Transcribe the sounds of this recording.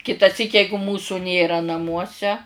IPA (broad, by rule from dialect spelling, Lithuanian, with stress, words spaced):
kʲɪtɐˈsʲiːk ˈjɛɪɡʊ ˈmuːsʊ ˈnʲeːrɐ nɐˈmuɔsʲɛ